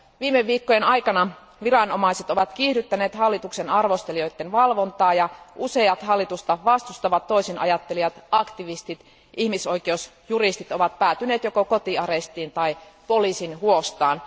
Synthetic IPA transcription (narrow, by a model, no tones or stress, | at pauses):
ʋiːmeʋːiːkːojenɑjkɑnɑ | ʋirɑnomɑiset̪oʋɑt̪k̟iːhɾyt̪ːæneːt̪hɑlːit̪uksenɑrʋost̪elio̞jt̪ːenʋɑlʋo̞nt̪ɑːjɑʔuse̞jɑt̪hɑlːit̪ust̪ɑʋɑst̪ust̪ɑʋɑt̪tːoisinʔɑ̰jɑt̪ːeliɑt̪ɑkt̪iʋist̪it̪ | ʔihmiso̞ikeous | jurist̪it̪oʋɑt̪̚pæːt̪yneːt̪jokokot̪iɑɾest̪iːnt̪ɑipolisinhuost̪ɑːn